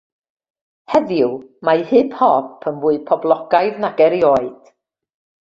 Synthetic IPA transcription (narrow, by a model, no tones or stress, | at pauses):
hɛðjʊwmajhɨpʰhɔpʰənvuːɨpʰɔblˠɔɡ̥ajðnaɡɛɾjɔːɨd̥